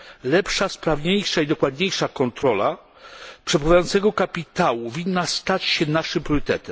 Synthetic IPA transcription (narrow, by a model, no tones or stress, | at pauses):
lɛpʂaspɾavɲejʂaid̪ɔkwad̪ɲejʂakɔnt̪ɾɔla̰ | pʂɛpɾavajɔnt̪sɛɡɔkapʲit̪awuvʲinːast̪at͡ɕɕɛnaʂɘɨmpɾʲjɔɾɘt̪ɛt̪ɛm